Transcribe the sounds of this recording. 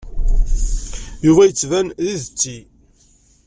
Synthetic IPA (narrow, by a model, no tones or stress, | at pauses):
jʊvæjət͡sːvænðiðt͡sːi